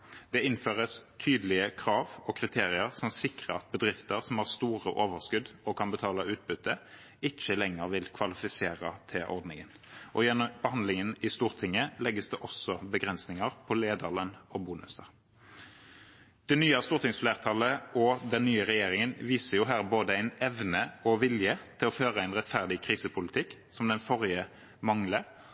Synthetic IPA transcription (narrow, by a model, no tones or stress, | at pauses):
d̪̥ɛɪnføːʁəst̪ʰyːd̪əlɪəkʰʁɑːʋɔkʰʁɪt̪ʰeːʁɪəʁsɔmsɪkʁəɑt̪̚bəd̪ʁɪft̪əʁsɔmhɑːʁst̪uːʁəʔoːʋəʁskʉd̪ɔkʰɑnbət̪ʰɑːlɑʉːt̪̚bʉt̪ʰːə | ɪt͡ʃːəlɛŋːəʁʋɪlkʰʋɑlɪfɪseːʁət̪ʰɪlʔɔ̰ʁd̪nɪŋən | ʔɔjɛnːɔmb̥əhɑnd̪lɪŋənɪst̪uːʁt̪ʰɪŋːəlɛɡəsd̪ɛʔɔsɔbəɡʁɛnsnɪŋəʁpʰɔleːd̪ələnɔbuːnʉ̰səʁ | d̪̥ɛnyːɑst̪uːʁt̪ɪŋsfleːʁt̪ʰɑləʔɔd̪ɛnːyːəʁɛjeːɾɪŋənʋiːsəʁjʊɦæːʁboːd̪əæɪnɛʋnəɔʋɪljət̪ʰɪlɔføːʁəæɪnʁɛt̪fæʁd̪ɪkʰʁiːsəpʰʊlɪt̪ʰɪkːsɔmd̪ɛnfɔʁjə | mɑŋlə